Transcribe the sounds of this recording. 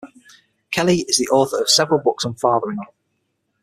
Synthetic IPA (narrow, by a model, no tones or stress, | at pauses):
kʰɛlɪɪzðiʔɔˑθəɹəv̥sɛvəɹəlˠbʊksə̃nfɑːðəɹɪ̃ŋ